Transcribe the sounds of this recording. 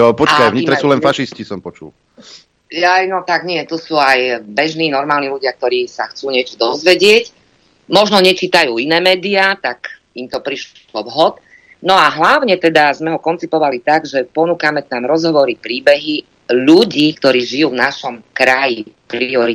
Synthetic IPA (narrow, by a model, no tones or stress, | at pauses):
pɔt͡ʃkajvɲit̪ɾɛsuːlɛnfaʃiscisɔmpɔt͡ʃṵl | jajnɔt̪aɡɲɪɛt̪usuːajbɛʒniːnɔɾmaːlniluɟɪak̚t̪ɔɾiːsaxt͡suːɲɪɛt͡ʃɔd̪ɔzʋɛɟɪɛc | mɔʒnɔɲɛt͡ʃiːt̪ajuːinɛːmɛːd̪iaːt̪ak | imt̪ɔpɾiʃ | ɔʋɦɔt̪ | nɔaɦlaʊɲɛt̪ɛd̪azmɛɦɔkɔnt͡sipɔʋalit̪aɡʒɛpɔnuːkamɛt̪amɾɔzɦɔʋɔɾipɾiːbɛɦi | ʎuɟiːk̚t̪ɔɾiːʒijuːvnaʃɔmkɾajipɾiɔɾi